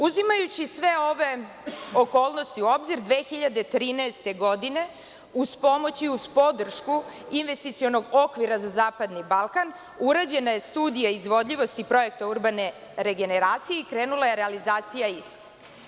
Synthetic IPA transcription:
uzimajut͡ɕisʋe̞oʋe̞ | o̞ko̞ːlˠnost̪iuo̞bziɾd̪ʋe̞ːxiʎad̪e̞t̪ɾiːnaest̪e̞ɡo̞d̪ine̞ | uspo̞mo̞t͡ɕiuspo̞d̪r̩ʃkuinʋe̞st̪it̪sio̞no̞ɡo̞kʋiɾazazaːpad̪nibalˠkan | uɾad͡ʑe̞naje̞st̪uːd̪ijaizʋo̞d̪ʎʲiʋo̞st̪ipɾo̞je̞k̚t̪auɾbane̞ | ɾe̞ɡe̞neɾaːt̪sijeikɾeːnulˠaje̞ɾealizaːt̪sijaist̪ḁ

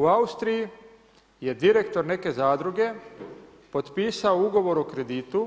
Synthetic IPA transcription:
uaust̪ɾiji | je̞d̪iɾe̞kt̪o̞ɾne̞ke̞zaːd̪ɾuɡe̞ | po̞t̪piːsaouɡo̞ʋo̞ɾokɾe̞d̪it̪u

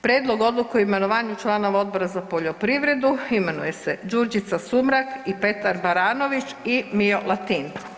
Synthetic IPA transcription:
pɾjeːd̪lo̞ɡo̞d̪lˠukoime̞noʋaːɲut͡ʃlˠaːno̞ʋao̞d̪̚bo̞ɾazapo̞ʎo̞pɾiʋɾe̞d̪uime̞nuje̞sed͡ʒuɾd͡ʒit̪sasumɾakipe̞t̪aɾbaɾaːno̞ʋit͡ʃimio̞lˠat̪in

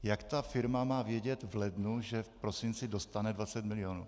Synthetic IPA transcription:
jakt̪afɪɾmamaːvjɛɟɛt̪vlɛdnuʒɛfpɾo̞sɪnt͡sɪdo̞st̪anɛdvat͡sɛt̪mɪlɪjonṵː

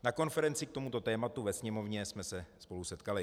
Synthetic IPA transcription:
nako̞nfɛɾɛnt͡sɪk̚t̪o̞mut̪o̞t̪ɛːmat̪uvɛsɲɛmo̞vɲɛsmɛsɛspo̞lusɛt̪kalɪ

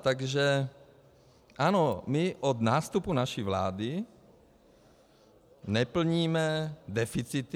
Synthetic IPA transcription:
t̪aɡʒɛ | ʔanomɪʔod̪naːst̪upunaʃivla̰ːd̪ɪ | nɛpl̩ɲiːmɛd̪ɛfɪt͡sɪt̪

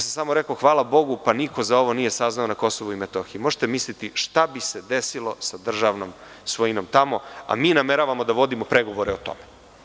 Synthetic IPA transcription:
s̬amsamo̞ɾekoxʋaːlˠabo̞ɡupaniko̞zao̞ʋo̞nije̞saznaonako̞soʋuimet̪oxiimoʒe̥t̪emislit̪iʃt̪abised̪esilˠo̞sad̪r̩ʒaʋnom | sʋoinomt̪amo̞a̰miːnameɾaʋamo̞d̪aʋo̞d̪imopɾeɡoʋo̞ɾeot̪o̰me

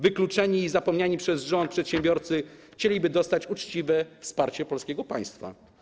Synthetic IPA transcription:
vɘklut͡ʂɛɲiːzapɔmɲaɲipʂɛzʐɔnt̪̚pʂɛt̪ɕɛmbʲjɔɾt̪sɘxt͡ɕelʲibɘd̪ɔst̪at͡ɕut͡ʂt͡ɕivɛfspaɾt͡ɕɛpɔlskʲɛɡɔpaj̃st̪fa̰

